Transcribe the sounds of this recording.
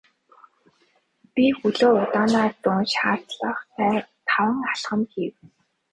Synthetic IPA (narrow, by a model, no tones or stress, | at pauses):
pixuɮoːʊt̪aːnaːt̪ʊnʃaːr̥t͡sɮə̆χt̪ʰæːt̪ʰawə̆ŋaɮχə̆mxiw